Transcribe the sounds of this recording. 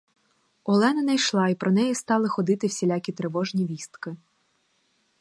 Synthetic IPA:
ɔlˠɛnɐnɐjʃlˠɑipɾʔɔnɛjɛst̪ɑlˠɪxɔd̪ɪt̪ɪwsʲilʲɑkʲit̪ɾeʋɔʒnʲiʋʲist̪kɪ

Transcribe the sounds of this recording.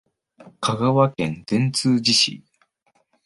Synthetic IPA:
kʰaɡaβakẽ̞nd̪̥ẽ̞nt͡sɨːd͡ʑiɕḭ

